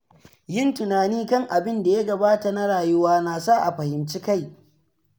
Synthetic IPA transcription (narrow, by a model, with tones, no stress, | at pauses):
jɪ˦ntʊ˨naː˨niː˦kɐ˦˨ŋʔa˨bɪ˦nda˨ja˦ɡɐ˨baː˦ta˨na˦ɽaː˨jʊ˦waː˦naː˨sa˦˨ʔa˨ɸɐ˨hɪ˨mt͡ʃi˦ka˦j